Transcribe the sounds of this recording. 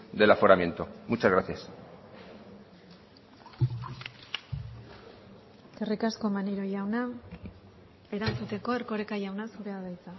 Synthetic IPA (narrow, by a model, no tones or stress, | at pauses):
d̪e̞lafoɾamje̞nt̪omut͡ʃazɣɾaθjas | kerikasko̞maniɾojawna | e̞ɾant͡sut̪e̞ko̞e̞ɾko̞ɾekajawnasuɾeaðajt͡sa